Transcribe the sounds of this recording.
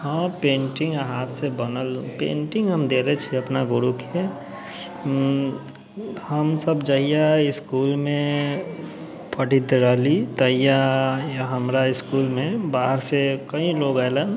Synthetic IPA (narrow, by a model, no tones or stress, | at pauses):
hãpẽːɳʈɪ̃ŋɡaɦaːt̪sebənəlũpḛ̃ːɳʈɪ̃ŋɡɦəmd̪eːɾet͡ʃʰiɐpnaɡʊɾukee | həmsəbd͡ʒəɦijaɪskuːlmẽ | pəʈid̪ɾaːlit̪əɦijajaɦəmɾaɪskuːlmẽbaːɦəɾsekəĩloːɡɛːlən